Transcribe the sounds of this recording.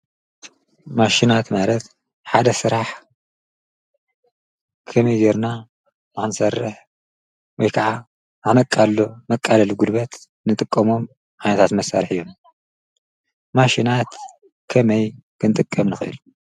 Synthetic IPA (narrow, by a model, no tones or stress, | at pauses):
maʃinat̪malɐt̪ | ħad̪ɐsɨɾaħ | kʰɐmɐjzeɾna | naxnɨsɐrːɨħ | wɔjkʰaʕa | nɨxnɐkʼːalːomɐkʼːalɐluɡud̪bɐt̪ | nɨt̪ʼɨkʼːɐmo̞m | ʕajnɐt̪ʰat̪mɐsa̰ɾħɨjːom | maʃinat̪ | kʰɐmɐjkʰɨnt̪ʼɨkʼːɐmnɨxɨʔɨ̰lu